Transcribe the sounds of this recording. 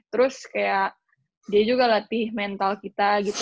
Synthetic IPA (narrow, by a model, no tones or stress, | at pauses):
t̪əɾʊskajaʔ | diad͡ʒuɡalat̪ɪhmɛnt̪alkit̪aɡit̪